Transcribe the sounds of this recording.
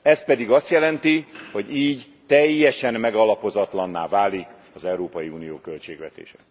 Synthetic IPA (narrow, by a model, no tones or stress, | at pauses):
ɛspɛd̪iɡɒst̪jɛlɛnt̪iho̞ɟiːɟ | t̪ɛjːɛʃɛmːɛɡɒlɒpo̞zɒt̪lɒnːaːvaːlik | ɒzɛuɾoːpɒjiuːnijoːkø̞lt͡ʃeːɡʋɛt̪ḛːʃɛ̥